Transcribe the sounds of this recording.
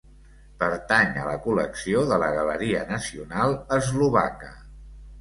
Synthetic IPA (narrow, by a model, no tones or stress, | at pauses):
pəɾt̪aɲə̰ləkuləksioðələɣələɾiənəsiunalˠəzluβa̰kə